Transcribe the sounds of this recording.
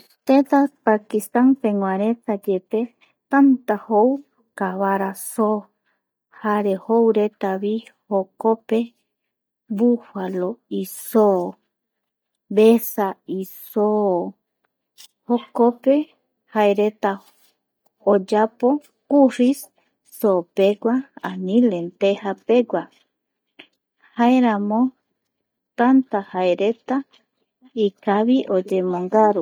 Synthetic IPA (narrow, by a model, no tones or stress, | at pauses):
t̪et̪apakist̪anpẽŋʷaɾet̪ad͡ʒet̪e | t̪ant̪ahow | kaβaɾaso | haɾehowɾet̪aβihokope | βufaloiso | βesaiso | hokope | haeɾet̪a | od͡ʒapo | kurisː | opeɡʷaanĩlent̪ehapeɡʷa | haeɾamo | t̪ant̪ahaeɾet̪a | ikaβiʔod͡ʒemõŋɡaɾu